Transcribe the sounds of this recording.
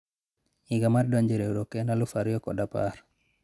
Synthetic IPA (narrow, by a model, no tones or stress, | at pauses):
iɡamardɔɲd͡ʒeɾeuɾokenalʊfaɾjɔkɔ̰dapar